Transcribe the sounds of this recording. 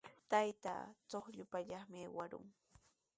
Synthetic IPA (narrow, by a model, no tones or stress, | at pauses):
t̪ajt̪a̰t͡soχʎʊpaʎɑχmɪewaɾʊ̰ŋ